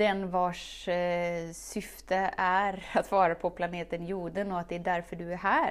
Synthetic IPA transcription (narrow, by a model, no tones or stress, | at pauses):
d̪ɛnvɑʂ | sʏft̪əæɾat̪vɑːɾapʰɔpʰlaneːt̪ənjuːɖ̪ənɔat̪̚d̪ɛæɖæɾfœɖɵæɾɦæːɾ